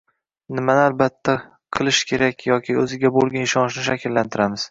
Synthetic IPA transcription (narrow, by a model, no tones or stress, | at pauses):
nɪmanɪalbat̪ʰːa | qʰɨlˠɪʃkʲʰe̞ɾakʲjɒkʲʰɪɵzɪɡʲabolˠɡʲanɪʃɒnɪʃnɪʃakʲɪlːant̪ʰɪɾamɪz̥